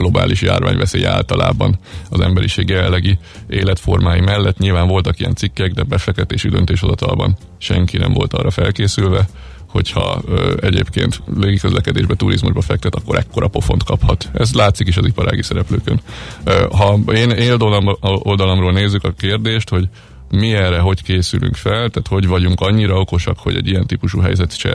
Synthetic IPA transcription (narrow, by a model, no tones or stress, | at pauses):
ɡ̥lo̞ba̰ːlʔiʃja̰ːrva̰ːɲvɛseːjɛa̰ːlt̪ɒla̰ːbɒnɒzɛmbɛɾiʃeːɡjɛlːɛɡi | eːlɛt̪fo̞rmaːjimɛlːɛt̪ːɲilvaːɱvo̞lt̪ɒkijɛnsikːɛɡd̪ɛbɛfɛkt̪ːɛt̪eːʃid̪ønt̪eːʃho̞zɒt̪ɒ̰lbɒ̰n | ʃɛŋkinɛ̰mvo̞̰lt̪ɒ̰ːrʔɒfɛlkeːsylvɛ | ho̞chɒ̰ɛɟḛːpkḛːnt̪leːɡikø̞zlʔɛkɛd̪eːʒbɛt̪uɾʔḭzmṵʒbɒfɛk̚t̪ɛt̪ɒkːo̞ɾʔɛkːo̞ɾʔɒpo̞fo̞nt̪kɒphɒt̪ɛzlaːt̪sikiʃɒzipɒɾʔa̰ːɡisɛɾɛpløːkøn | ɦɒeːneːld̪olmold̪ɒlɒmroːlneːzːykɒkeːrd̪eːʃt̪ho̞ɟ | miɛrːɛɦo̞ckeːsylʔy̰ŋkfɛlt̪aːt̪ho̞ɟvɒɟuŋkɒɲːiɾɒo̞ko̞ʃɒkho̞̰ɟɛ̰ɟːijɛnt̪ipuʃuːɦɛjzɛt̪t͡ʃɛ̰